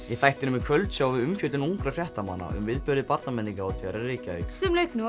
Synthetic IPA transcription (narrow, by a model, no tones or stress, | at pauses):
jɛθajht̪ɪnʏmɛkʰvœlt̪sjawvɪðʏmfjʏt̪ɪnuŋkɾafrjɛhtt̪ama̰nːa̰ʔʏ̰mvɪðpʏɾðɪpaɾt̪namɛnt̪iŋkaawt̪ʰjaɾɛɾriːcœ̰jsɛmlœɥknu